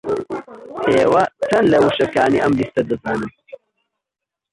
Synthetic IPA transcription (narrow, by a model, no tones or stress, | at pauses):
heːwɐt͡sʰɐnlewuɕɐkaːnḭʔɐmɾist̪ɐd̪ɐzaːnɐ